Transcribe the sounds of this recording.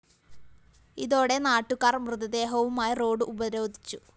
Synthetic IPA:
iðo̞ːɽe̞naːʈːukːaːrmrɨðɐd̪e̞ːɦɐʋumaːjiro̞ːɖɨʔubɐɾo̞ːd̪ʱit͡ɕːu

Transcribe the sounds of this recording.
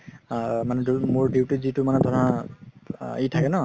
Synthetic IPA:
manɛdmʊɹdiwtuzitumanɛtɔtʰã | itʰakɛnɔ

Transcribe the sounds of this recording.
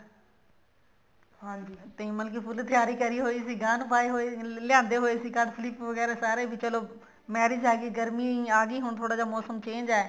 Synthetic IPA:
ɦãːd͡ʒiːt̪ɐĩːmɐlkiːpʰʊlt̪ɪjaːɾiːkɐɾiːɦoːisiːɡaːnbʱaːiɦoːelɪjãːnd̪eɦoːeːsiːɡaːd̪sɪliːpʋɐɣɛːɾesaːɾeːbʱit͡ʃəloː | mɛːɾɪːd͡ʒaːɡiːɡəɾmiĩːaːɡiːɦʊɳ̃t̪ʰoːɽaːd͡ʑaːmɔːsəmt͡ʃẽːɲd͡ʒaːeː

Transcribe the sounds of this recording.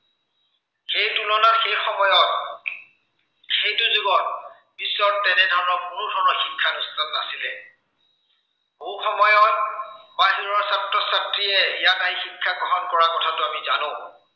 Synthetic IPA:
xejtulɔnaxejxɔmɔjɔt̚ | xejtuzuɡɔn | b̥isːɔɹtɛnɛdʱaɹnɔmuɹudʱɔɹnɔxikʰːanustanːasilɛ | muxɔmɔjɔt̚baɦiɹɔɹsatɹɔsatɹiɛjatajixikʰːaɡɔɦɔnkɔɹakɔtʰatʊamiza̰nõ

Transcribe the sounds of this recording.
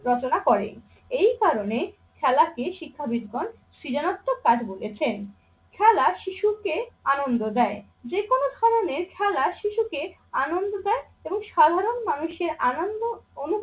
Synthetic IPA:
ɾɔt͡ɕonakɔɾḛ | ejkaɾone | kʰɛlakeʃikʰːabid̪ʱɡon | ʃɾid͡ʑanot̪ːokad͡ʑbolet͡ɕʰen | kʰɛlaʃiʃukeanond̪od̪ɛe | d͡ʑekonod̪ʱaɾoneɾkʰɛlaʃiʃuke | anond̪od̪ɛe | eboŋʃad̪ʱaɾonmanuʃeɾanond̪oonu

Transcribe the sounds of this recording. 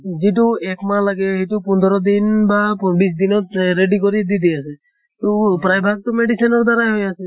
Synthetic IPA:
ziʈ̬uɛkmalaɡɛɦitupund̪ʱɔɾɔd̪inbabis̬d̪inɔt̪ɾeɖikɔɾid̪id̪iasʰɛ | tupɾajbʱak̚t̪ɔmeɖisinɔɾd̪aɾajɦojasɛ

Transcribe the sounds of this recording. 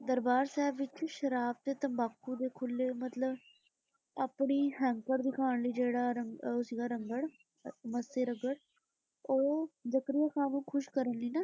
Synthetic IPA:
d̪əɾbaːɾsɛːbʋɪt͡ʃːʃəɾaːb̚t̪eːt̪əmbaːkʰːũːd̪eːkʰʊlːeːmət̪ləb | aːpɳiːɦɛ̃ːŋkəɾd̪ɪkʰaːɳliːd͡ʒeːɽaːɾəŋsiːɡaːɾəŋɡəɽ | məseːɾəɡəɽ | oːd͡ʒəkɾɪjaːkʰaːnũːkʰʊʃkəɾənliːnaː

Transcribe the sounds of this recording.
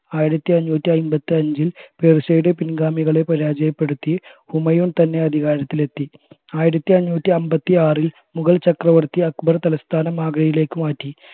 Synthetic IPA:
aːjiɾɐt̪ːiɐɲːuːt̪ːiɐjmbɐt̪ːɨɐɲd͡ʑilpeːrɕɐjɽepinɡaːmiɣɐɭepɐɾaːd͡ʑɐjɐpːe̞ɽut̪ːihumɐjuːɳt̪ɐnːe̞ɐd̪ʱiɣaːɾɐt̪ːile̞t̪ːi | aːjiɾɐt̪ːiɐɲːuːt̪ːiɐmbɐt̪ːiaːril | muɣɐɭlt͡ɕɐkrɐʋɐrt̪iɐkbɐrt̪ɐlɐst̪ʰaːnɐmaːɡɐɽɐjile̞ːkːɨmaːtːi

